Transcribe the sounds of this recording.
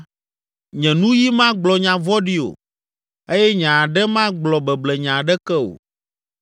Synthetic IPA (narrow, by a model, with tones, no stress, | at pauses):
ɲɛ̃˨nũ˦ji˦mã˦ɡ͡blɔ˨ɲã˨vɔ˦ɖi˦o̰˨ | e˦jɛ˦ɲã˨a˨ɖɛ˦mã˦ɡ͡blɔ˨bɛ˨blɛ˨ɲã˨ɖɛ˦kɛ˦o̰˨